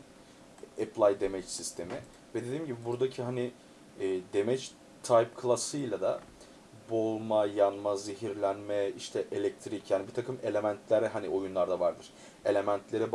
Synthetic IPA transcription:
epʰlˠajd̪emɛt͡ʃsist̪ʰe̞mi | vɛd̪e̞d̪iːmɟibibuɾd̪acʰiɦanɪː | d̪emɛt͡ʃ | t̪ʰajpkʰlˠasɯjlʲˠad̪a̰ | bolˠmajanmazeɦiɾlʲænmɛiʃt̪ʰɛʔelʲɛc̚t̪ʰɾicjaːnibit̪ʰakʰɯme̞lʲe̞mænt̪ʰlʲæɾɛɦanio̞junlˠaɾd̪avaɾd̪ɯɾ̥ | e̞lʲe̞mænt̪ʰlʲe̞ɾɛb

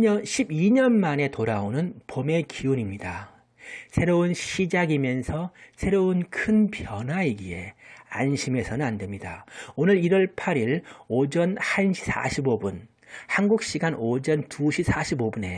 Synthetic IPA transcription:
ɕʰibiɲʌnmane̞toɾaonɯnpome̞kiunimɲida | sʰe̞ɾounɕʰid͡ʑaɡimjʌnsʰʌsʰe̞ɾounkʰɯnpjʌnɦwaiɡie̞̰a̰nɕʰime̞sʰʌnɯnande̞mɲida̰onɯɾiɾʌɭpʰaɾiɭod͡ʑʌnhanɕʰi̥sʰa̰ɕʰibobun | hanɡuk̚ɕ͈iɡanod͡ʑʌntuɕʰip̚s͈ʰaɕʰibobune̞

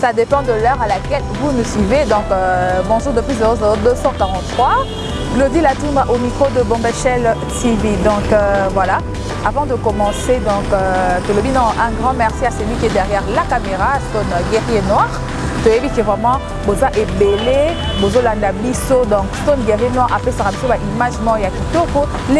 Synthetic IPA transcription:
sad̪epɑ̃d̪əlœʁalakɛlvunusɥived̪ɔ̃kbɔ̃ʒuʁd̪əpɥizɔzod̪øsɑ̃kaʁɑ̃t̪t̪χwa | ɡlod̪ilat̪ũmbʁaʔomikχod̪əbɔ̃beʃɛl | tivid̪ɔ̃kvwala | avɑ̃d̪əkɔmɑ̃sed̪ɔ̃kt̪olobinɔ̃ʔɛ̃ɡʁɑ̃mɛʁsiasəlwikiɛdɛʁjɛʁlakameʁastonɡeʁjenwaʁ | t̪øjebikəvʁɛmɑ̃ | bozaʔebele | bozolãndabisod̪ɔ̃kstonɡeʁjenwaʁa̰pɛsaʁabisobaʔimaʒmɔ̃jakit̪opo | l

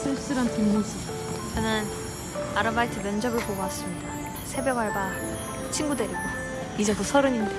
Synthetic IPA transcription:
sʰɯɭs͈ɯɾantʰinːɯd͡ʑi | kɯnɯn | aɾɯmːaitʰɯmjʌnd͡ʑʌɡɯɭpoɡas͈ɯmɲid̥a | sʰe̞bjʌɡɦaɭba | t͡ɕʰinɡude̞ɾiɡo | id͡ʑetosʰʌɾɯɲinde

